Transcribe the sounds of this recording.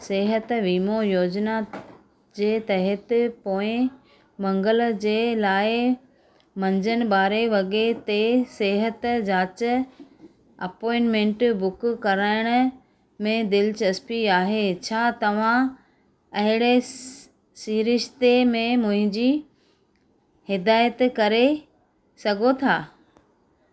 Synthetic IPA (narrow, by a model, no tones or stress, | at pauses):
seːɦət̪ʋiːmojoːd͡ʑna | d͡ʑeːt̪ɐɦət̪ɪpoːɪ̃ | mɐ̃ŋɡəld͡ʑeːlaːɪ | mɐ̃ɲd͡ʑənɪ̆baːɾeʋɐɠet̪eseːɦət̪d͡ʑaːt͡ɕ | ɐpɔːɪnmẽːɳʈbʊkkɐɾaːɪɽ̃ | mẽd̪ɪlt͡ɕɐspiaːɦet͡ɕʰaːt̪ɐʋ̤ã | ɐɦɪɽ̃e | siːɾɪʃt̪emẽmʊ̃ɦɪ̃ɲd͡ʑi | hɪd̪aːjət̪kɐɾe | sɐɡʱot̪ʰaː